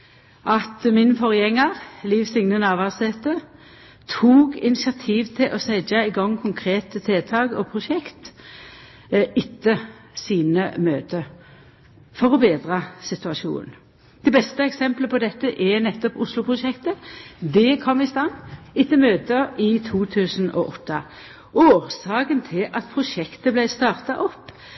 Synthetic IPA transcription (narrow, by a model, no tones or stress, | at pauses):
ʔɑt̪mɪnfɔʁjɛŋːəʁliːʋsɪŋnənɑʋɑʁseːt̪ə | t̪ʰuːɡɪ̰nɪsɪɑt̪ʰiːʋt̪ʰɪlʔɔsɛɪd͡ʒɑɪɡɔŋːkʰʊŋkʰʁeːt̪ət̪ʰɪlt̪ʰɑːɡɔpʰʁʊʃɛkt̪ | ɪt̪ːəsiːnəmøːt̪ə | fɔʁɔbeːd̪ʁɑsɪt̪ʉɑʃṵːnn̩ | d̪̥ɛbɛst̪əɛksɛmpləpʰɔd̪ɛt̪ːəʔɛnɛt̪ːɔpʊslʊpʰʁʊʂɛkt̪əd̪ɛkʰɔmɪst̪ɑnːɪt̪ːəmøːt̪əɪt̪ʰuːt̪ʰʉːsn̩ɔ̰ʔɔt̪ʰːə | oːʁsɑːkənt̪ʰɪlʔɑt̪pʰʁʊʃɛkt̪əblæɪst̪ɑːʁt̪ɑʔɔpː